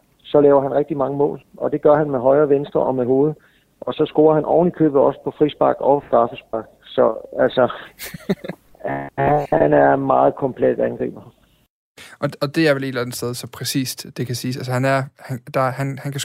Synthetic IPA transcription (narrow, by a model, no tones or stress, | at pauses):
sɒ̽lɛːʊɐɦænʁɛɡ̥̚d̥imɑ̈ŋəmɔ̰̽ːlʔɒ̽d̥e̝ɡ̥ɶɐɦænmeɦɒ̽ɪɐːʋensd̥ʁɐʔɒ̽meɦo̝ːð̞̩ˠ | ʔɒ̽sɒ̽sɡ̥o̝ːɐhænʔɒ̰ʊ̰nlikʰø̰ːb̥ð̩ˠɒ̽sə̥pʰɒ̽fʁisb̥ɑ̈ɡ̥ɒ̽ʊɡ̥ʁɑ̈ːfəsb̥ɑ̈ɡ̥̚sɒ̽ælsɒ | hhænæɐmɑ̈ːð̩ˠkʰɒ̽mpʰled̥ænɡ̥ʁḭːb̥ɐ | ʔɒɒ̽d̥e̝æɐʋele̝d̥lænð̩sd̥eð̞ˠsɒ̽pʰʁɛsḭːsd̥d̥e̝kʰæsiːsælsəhænæɐhænd̥ɑ̈hænhænkʰæ